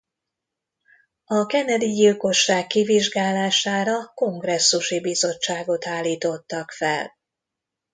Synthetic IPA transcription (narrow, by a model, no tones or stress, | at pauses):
ɒkɛnɛd̪iɟilko̞ʃːaːkːiviʒɡaːlaːʃaːɾɒko̞ŋɡrɛsːuʃibizo̞t͡ʃːaːɡo̞t̪aːlːiːt̪o̞t̪ːɒkfɛl